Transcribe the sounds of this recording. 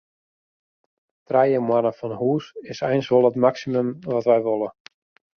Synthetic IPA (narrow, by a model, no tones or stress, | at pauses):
trɛjəmwanəfɔnhuːsɪsɛjnsʋolˠətmaksimømʋɔtʋɛjʋolˠə